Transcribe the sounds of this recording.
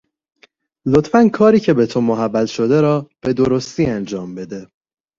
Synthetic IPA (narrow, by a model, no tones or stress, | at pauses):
lot̪fænkʰɒːɾiːcʰe̞bet̪ʰomoɦæbːæt̪ʃo̞d̪eɾɒːb̥e̞d̪o̞ɾo̞st̪iːænd͡ʒɒːmbe̞d̪e̞